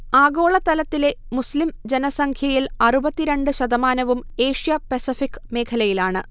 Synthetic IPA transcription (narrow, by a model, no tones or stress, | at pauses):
aːɡo̞ːɭɐt̪ːɐlɐt̪ːile̞muslimd͡ʑenɐsɐŋkʰjɐjilɐrubɐt̪ːiɾeɳɖɨɕɐd̪ɐmaːnɐʋume̞ːʂjɐpɐsifikːme̞ːkʰɐlɐjilaːɳɨ